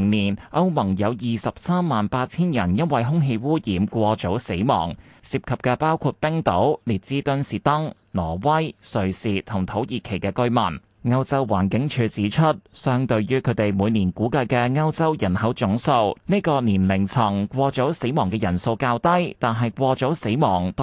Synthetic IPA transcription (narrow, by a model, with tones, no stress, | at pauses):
ŋniː˨˩nʔɐ˥wmɐ˨˩ŋjɐ˨˧wjiː˨˩sɐ˨p̚saː˥mːaː˨npaː˧t̚t͡sʰiː˥njɐ˨˩njɐ˥nwɐ˨jɦʊ˥ŋɦe˧jwuː˥jiː˨˥mkʷɔː˧t͡so˨˥wse˨˥jmɔ̰ː˨˩ŋ | siː˨p̚kʰɐ˨p̚kɛː˧paː˥wkʰuː˧t̚pɪ˥ŋt̪o˨˥wliː˨˩t̚t͡siː˥t̪ɵ˥nsiː˨t̪ɐ˥ŋ | lɔː˨˩wɐ˥jsɵ˨˧ɥsiː˨˧t̪ʰʊ˨˩ŋt̪ʰo˨˥wjiː˨kʰe˨˩jkɛː˧kɵ˥ɥmɐ˨˩n | ŋɐ˥wt͡sɐ˥wwaː˨˩nkɪ˨˥ŋt͡ʃʰyː˧t͡siː˨˥t͡ʃʰɵ˥t̚sœː˥ŋt̪ɵ˧ɥjyː˥kʰɵ˨˧˥t̪e˨jmuː˨˧jniː˨˩nkuː˨˥kɐ˧jkɛː˧ŋɐ˥wt͡sɐ˥wjɐ˨˩nhɐ˨˥wt͡sʊ˨˥ŋso˧wne˥kɔː˧niː˨˩nlɪ˨˩ŋt͡sʰɐ˨˩ŋkʷɔː˧t͡so˨˥wse˨˥jmɔː˨˩ŋkɛː˧jɐ˨˩nso˧wkaː˧wt̪ɐ˥jt̪aː˨nɦɐ˨jkʷɔː˧t͡sɔ˨˥wse˨˥jmɔː˨˩ŋt̪